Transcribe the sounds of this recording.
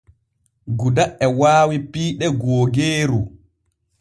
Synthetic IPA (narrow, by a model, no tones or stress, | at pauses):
ɡudaʔɛwaːwipiːɗɛɡɔːɡeːɾu